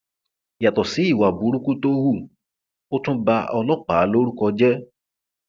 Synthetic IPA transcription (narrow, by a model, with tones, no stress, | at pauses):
ja˨tɔ˨si˨˦i˦˨wa˨bu˨˦ɾu˦kũ˦to˦hu˦˨ | o˦tũ˦ba˧ɔ˧lɔ˦k͡paː˨˦lo˦ɾu˦kɔ˧d͡ʒɛ˦